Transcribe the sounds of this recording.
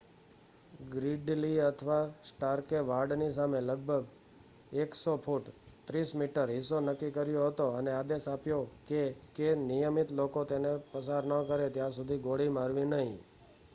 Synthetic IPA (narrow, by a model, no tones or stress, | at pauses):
ɡɾiɖliət̪ʰʋasʈaɾkeʋaɾɖnis̬ameləɡ̚bʱəɡ | eksopʰuʈt̪ɾismiʈəɾɦisonəkːikəɾjoɦət̪oənead̪esapjokekenijəmit̪lokot̪enepəsaɾnəkəɾet̪jãsud̪ʱiɡoɽimaɾʋĩnəɦḭ̃